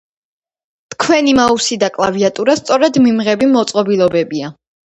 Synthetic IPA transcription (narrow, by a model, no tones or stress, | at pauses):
t̪kʰwɛnimausid̪akʼlˠaviat̪ʼuɾast̪sʼɔɾɛd̪mimʁɛbimɔt̪sʼqʼɔbilˠɔbɛbia